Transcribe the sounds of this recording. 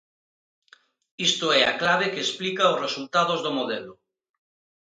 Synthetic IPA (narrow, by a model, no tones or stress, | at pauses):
ist̪oɛaklaβ̞ekeːsplikaozresult̪aðozðomoðelo